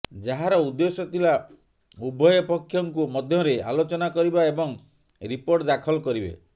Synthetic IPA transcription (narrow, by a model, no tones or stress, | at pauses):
d͡ʒaɦaɾɔud̪ːesɔt̪ʰila | ubʱɔjɔpɔkʰːjɔŋkumɔd̪ʱjɔɾealot͡ʃɔnakɔɾibaebɔŋ | ɾipoɾʈd̪akʰɔlɔkɔɾibḛ